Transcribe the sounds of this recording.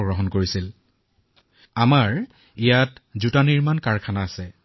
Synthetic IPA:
ɡɹɔɦɔnkoɹisil | amaɹ | ijatzutaniɹmankaɹkʰanaːsɛ

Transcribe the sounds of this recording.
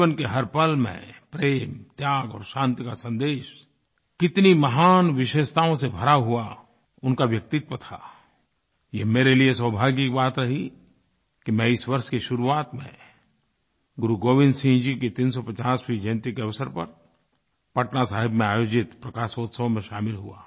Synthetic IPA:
ənkeɦɐɾpəlmḛ̃pɾeːmt̪jaːɡɔ̰ːɾʃãːnt̪ikasɐ̃nd̪eːʃ | kɪt̪nimɐɦaːnʋɪʃeːʃt̪aːõsebʱɐɾaɦua | ʊnkaʋjɐk̚t̪ɪt̪wət̪ʰa | jeɦmeːɾelieswəbʱaːɡjikibaːt̪ɾɐɦi | kimɛ̃ɪsʋɐɾʃkeʃʊɾuaːt̪mḛ̃ | ɡʊɾuɡoːʋɪ̃nd̪sĩd͡ʒiket̪iːns̬ɔpɐt͡ʃaːsfid͡ʒẽːnt̪ɪkeɐʋsəɾpɐ̰ɾ | pɐʈnasaːɦɪbmẽaːjoːd͡ʒɪt̪pɾɐkaːsoːt̪səõmẽʃaːmɪlɦua̰ː

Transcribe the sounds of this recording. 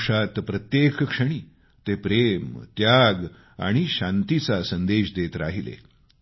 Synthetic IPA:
ʂat̪pɾət̪jekkʂəɽ̃iː | t̪epɾemt̪jaɡ | a̰ɽ̃iɕãnt̪it͡sasənd̪eɕd̪et̪ɾaɦilḛ

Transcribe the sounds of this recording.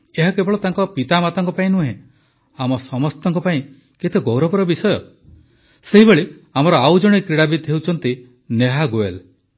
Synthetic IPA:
eɦakebɔɭɔt̪aŋkɔpit̪amat̪ɔŋkɔpaĩnuɦẽ | amɔsɔmɔst̪ɔŋkɔpaĩ | ket̪ʰeɡowɾɔbɔɾɔbisɔjɔ | seɦibeɭe | amɔɾɔawd͡ʒɔɽ̃ekɾiɽabit̪ɦewt͡ʃʰɔnt̪i | neɦaɡoel

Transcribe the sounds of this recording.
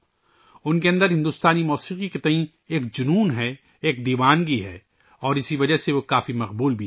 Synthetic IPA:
ʊnkeɐ̃nd̪əɾɦɪ̃nd̪ust̪aːnimɔːsiːqiket̪ɐɦĩ | eːkd͡ʒʊnuːnɦɛ | eːk̚d̪iːʋaːnɡiɦɛ̰ː | ɔːɾɪsiʋɐd͡ʒɐseʋokaːfimɐqbuːlbʱi

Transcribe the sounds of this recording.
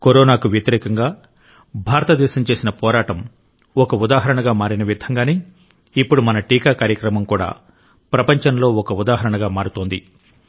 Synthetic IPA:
koɾoːnaːkuʋjɐt̪iɾɛːkɐŋɡaː | bʱaːɾɐt̪ɐd̪ɛːʃɐmt͡ʃe̞ːsinɐpɔːɾaːʈɐm | ɔkɐud̪aːɦɐɾɐɳɐɡaːmaːɾinɐʋid̪ʱɐŋɡaːneː | ipːuɽumɐnɐʈiːkaːkaːɾjɐkɾɐmɐmkuːɽa̰ː | pɾɐpɐɲt͡ʃɐnlo̞ːɔkɐud̪aːɦɐɾɐɳɐɡaːmaːɾut̪oːnd̪i

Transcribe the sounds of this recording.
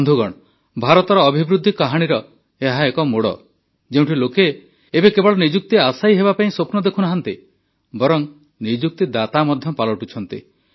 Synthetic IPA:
nd̪ʱuɡɔɽ̃ | bʱaɾɔt̪ɔɾɔːbʱibɾud̪ʱːikaɦaɽ̃iɾɔ | eɦaekɔmoɽɔ̰ | d͡ʒeũɳʈʰilokeː | bekebɔɭɔnid͡ʒuk̚t̪iasaiɦebapaĩsopnɔd̪ekʰunaɦant̪i | bɔɾɔŋ | nid͡ʒuk̚t̪id̪at̪amɔd̪ʱjɔpalɔʈut͡ʃʰɔnt̪ḭ

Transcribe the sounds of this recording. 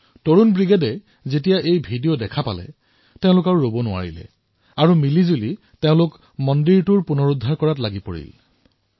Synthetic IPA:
toɹunbɹiɡedɛ | zetijaʔejbʱidijodɛkʰapalɛ̰ | teʊ̃lʊkaɹuɹobɔnʊa̰ɹḭlɛ̰ | aɹumilizuli | teʊ̃lʊk | mɔndiɹtuɹpunɔɹudʱaɹkɔɹatlaɡipo̰ɹḭl

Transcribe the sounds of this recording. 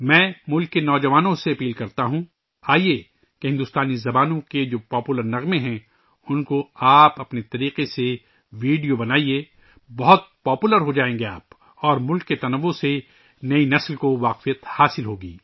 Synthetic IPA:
mɛ̃ːmʊlkːenɔːd͡ʒɐʋaːnõseɐpiːlkɐɾt̪aɦũ | aːie | keɦɪ̃nd̪ʊst̪aːnizɐbaːnõked͡ʒoːpɔːpuləɾnɐɣmẽɦɛ̃ | ʊnkoaːpɐpnet̪ɐɾiːqese | ʋiːɖijobɐnaːieː | bɐɦʊt̪̚pɔːpuːləɾɦod͡ʒaːẽːŋɡeaːp | ɔːɾmʊlkːet̪ɐnɐʋːose | nɐinɐslkoʋaːqfijət̪haːsɪlɦoːɡḭː

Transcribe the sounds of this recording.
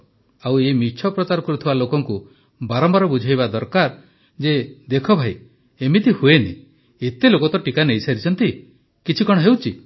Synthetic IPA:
awemit͡ʃʰɔpɾɔt͡ʃaɾɔkɔɾut̪ʰibalokɔŋku | baɾɔmbaɾɔbud͡ʒʱajβad̪ɔɾkaɾ | d͡ʒed̪ekʰɔbʱaj | emit̪ihuenḭ | et̪elokɔt̪ɔʈikanejsaɾit͡ʃʰɔnt̪i | kit͡ʃʰikɔɽ̃ɔɦewt͡ʃʰi

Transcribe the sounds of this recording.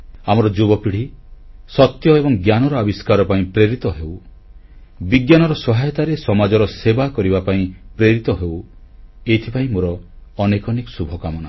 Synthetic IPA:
amɔɾɔd͡ʒubɔpiɽ̤isɔt̪jɔebɔŋɡjanɔɾɔabiskaɾɔpaĩpɾeɾit̪ɔɦew | biɡjanɔɾɔsɔɦajɔt̪aɾesɔmad͡ʒɔɾɔsebakɔɾibapaĩpɾeɾit̪ɔɦew | et̪ʰipaĩmoɾɔːnekɔnekɔsubʱɔkamɔna

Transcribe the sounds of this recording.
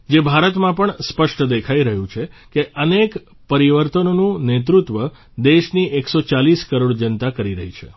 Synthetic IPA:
d͡ʒebʱaɾət̪mãpəɳspəʃʈd̪ekʰaiɾəɦũt͡ʃʰekeʔənek | pəɾiʋəɾt̪ənonũnet̪ɾut̪ʋə | d̪eʃnieksot͡ʃaliskəɾoɽd͡ʒənt̪akəɾiɾəɦit͡ʃʰe

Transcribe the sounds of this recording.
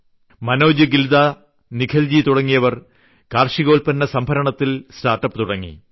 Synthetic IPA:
mɐnoːd͡ʑuɡild̪a | nikʰɐld͡ʑit̪uɽɐŋːijɐʋɐr | kaːrʂiɣo̞ːlpɐnːɐsɐmbʱɐɾɐɳɐt̪ːilsʈaːrʈːɐpːt̪uɽɐŋːḭ

